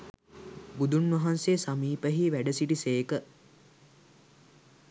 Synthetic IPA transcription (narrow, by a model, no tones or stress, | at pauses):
bud̪unʋɐɦansesamiːpəɦiʋæɖəsiʈiseːkə